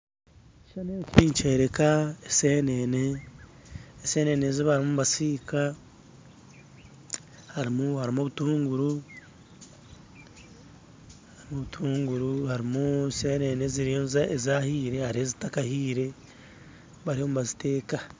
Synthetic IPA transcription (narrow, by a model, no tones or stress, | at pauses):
iʃanekuβiːɲt͡ʃeɾe̞kaesenene | se̞ːne̞neziβaɾimumuβasiːka | haɾimuhaɾimoβutuːŋɡuɾu | haɾimoβutʰuːŋɡuɾuhaɾimuseːne̞neziɾijozaezahiːɾe̞haɾiezitakahiːɾe̞ | βaɾihomuβazite̞ːka